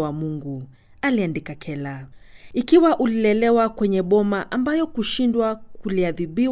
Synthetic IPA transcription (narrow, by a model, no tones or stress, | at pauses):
wamuŋɡu | aliandikakʰɛlaikiwaʔulilɛlɛwakwɛɲɛɓɔmaʔambajɔkuʃindwakuliaðiɓi